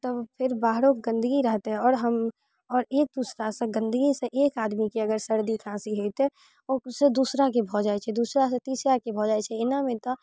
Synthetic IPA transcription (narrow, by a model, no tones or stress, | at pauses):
t̪ɔpʰɪɾbaːɦɾokɡə̃nd̪əɡiɾəɦt̪eɦɛ̃ɔːɾɦəm | ɔːɾeːk̚d̪uːsɾaseɡə̃nd̪əɡiseʔeːkaːd̪mikeɐɡəɾsəɾd̪ikʰãːsiɦoit̪e | ɔsed̪uːsɾakebʱɔd͡ʒaːet͡ʃʰɛd̪uːsɾaset̪iːsɾakebʱɔd͡ʒaːet͡ʃʰɛɪnamẽt̪o